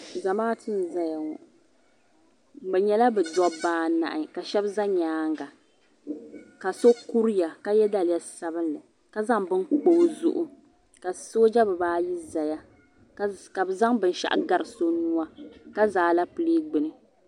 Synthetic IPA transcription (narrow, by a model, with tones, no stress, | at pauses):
za˨maː˦tɨ˦n˨za˦ja˨ŋɔ̰˨ʔ | bɛ˨ɲɛ˦la˦bɛ˨dɔ˦baː˦na̰˨ʔɨ˨ka˨ʃɛ˦bza˦ɲaː˦ŋɡa˨ | ka˨so˦ku˦ɾja˨ka˦jɛ˦da˦lɪ˨ja˦sa˦bɨ˦nlɨ˨ | ka˦za˦ŋbɨ˦nk͡po˨˦zʊ̰˦ʔʊ˦ | ka˨so˦d͡ʒa˦bɨ˨baː˦ji˦za˨ja˦ | ka˨bza˦ŋbɨ˦n˦ʃa̰˦ʔa̰˦ɡa˦ɾɨ˨so˦nu˦a˦ka˦zaː˨˦la˦pɨ˨leː˦ɡ͡bɨ˨nɨ˨